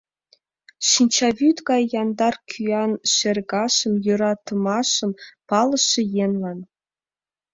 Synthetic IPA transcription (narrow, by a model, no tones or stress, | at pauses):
ɕinʲt͡ɕɑvʲyt̪ɡɑjːɑnd̪ɑrkʲʰyɑnʃĕrʲɡɑʃɤ̆mjuɾɑt̪ɤ̆mɑʃɤ̆mpɑlˠɤ̆ʃːĕjenlɑn